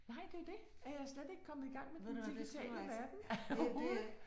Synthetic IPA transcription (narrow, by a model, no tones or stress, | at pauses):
nɑ̈ɪ̰d̥e̝æɐd̥e̝æɐjɑ̈ɪsled̥e̝ɡ̥kʰɒ̽mð̩ˠiɡ̥ɑ̈ŋ̰med̥end̥iɡ̥it͡sʰɛ̰ːləʋæɐd̥n̩